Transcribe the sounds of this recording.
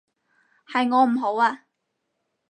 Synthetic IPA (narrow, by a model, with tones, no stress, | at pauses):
hɐ˨jŋɔː˨˧m̩˨˩ɦo˨˥waː˧